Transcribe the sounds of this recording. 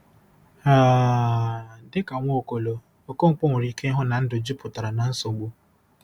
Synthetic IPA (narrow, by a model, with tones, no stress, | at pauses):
a˦˨ | dɪ˦ka˨ŋʷo˦˨ko˨lo˨ | o˨ko˦ŋŋ͡m̩˦˨k͡po˦ŋʷe˨ɾi˦ke˦ɦʊ˦na˨n̩˦dʊ˨d͡ʒu˦pʰʊ˨ta˨ɾa˨na˨n̩˦so˨ɡ͡bu˦